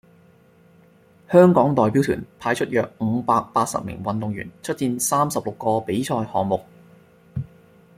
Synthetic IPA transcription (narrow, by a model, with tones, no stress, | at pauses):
hœː˥ŋkɔː˨˥ŋt̪ɔː˨˩jpi˨˥wt̪ʰy̰ː˨˩npʰaː˨˧jt͡ʃʰɵ˥t̚jœː˨˧k̚ŋ̩˩˨˧paː˧k̚paː˧t̚sɐ̰˨p̚mɪ̰˨˩ŋwɐ˨nt̪ʊ˨ŋɥy̰ː˨˩nt͡ʃʰɵ˥t̚t͡siː˧nsaː˥msɐ˨p̚lʊ˨kːɔː˧pe˨˥jt͡ʃʰɔː˧jhɔ̰ː˨˩ŋmʊ˨˩k̚